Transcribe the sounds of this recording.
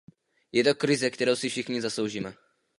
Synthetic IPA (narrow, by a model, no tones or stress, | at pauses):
jɛt̪o̞kɾɪzɛkt̪ɛɾowsɪfʃɪxɲɪzaslowʒiːmɛ